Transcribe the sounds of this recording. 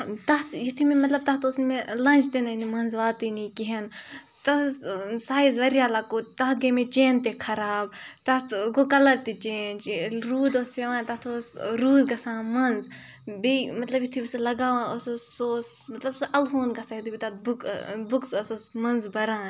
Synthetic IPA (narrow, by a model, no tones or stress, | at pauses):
t̪ɐt̪ʰjit̪ʰumẽmɐt̪lɐb̚t̪ɐt̪oːsnmelɐ̃nʲd͡ʒt̪enɐnimɐnzʋaːt̪inikiɦent̪ɐsaːjizʋɐɾjaːlakot̪ɐɦt̪ɡɐmẽt͡ʃeːnt̪ekʰɐɾaːb̚t̪ɐt̪ɡokɐlɐɾt̪it͡ʃeːnd͡ʒɾuːd̪oːspeʋãːnt̪ɐɦt̪ʰosɾuːd̪ɡɐsãːmɐnz | bimɐt̪lɐbjit̪ʰibislɐɡaːʋãːossoːsmɐt̪lɐbsʔɐlɦoːnɡɐsaːjit̪ʰubit̪ɐt̪̚bukbuksɐsɐmɐnzbɐɾãːn